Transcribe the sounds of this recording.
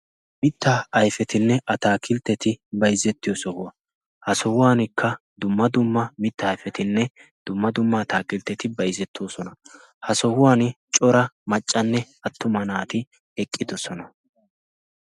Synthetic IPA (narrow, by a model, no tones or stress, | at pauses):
mɪt̪ːɐɐjfɛt̪ɪnːɛʔɐt̪aːkɪlt̪ːɛt̪ɪbɐjzːɛt̪ːɪjɔsɔhʊwɐ | hɐsɔhʊwaːnɪkʰːɐ | d̪ʊmːɐd̪ʊmːɐmɪt̪ːɐːjfɛt̪ɪnːɛd̪̥ʊmːɐd̪ʊmːaːt̪aːkɪlt̪ːɛt̪ɪbɐjzːɛt̪ʰːoːsɔnɐ | hɐsɔhʊwaːnɪt͡ʃʼɔɾɐmɐt͡ʃʼːɐnːɛ | ɐt̪ːʊmɐnaːt̪ɪ | ɛkʼːɪd̪ɔsɔnɐ